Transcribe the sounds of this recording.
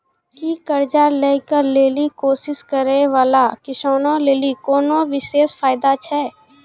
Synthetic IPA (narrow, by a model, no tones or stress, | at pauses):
kikəɾd͡ʒalekəɾleːlikoːsɪskəɾeʋaːlakɪʃɔːnõleːlikoːnoʋɪʃeːsfaːɪd̪at͡ʃʰɛː